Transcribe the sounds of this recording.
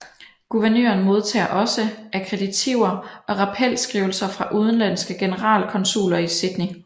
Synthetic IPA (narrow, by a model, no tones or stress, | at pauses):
ɡ̥uʋæɐnø̰ːɐnmo̝ð̞ˠt͡sʰɛ̰ːɐʔɒ̽səækʰʁed̥it͡sʰiʊ̰ɐɒ̽ʁɑ̈pʰel̰sɡ̥ʁiːʊl̩sɐfʁɑ̈ʔuð̞ˠən̩læn̰sɡ̥əɡ̥e̝nəʁɑ̰̈ːlkʰɒ̽nsṵːlɐisid̥ni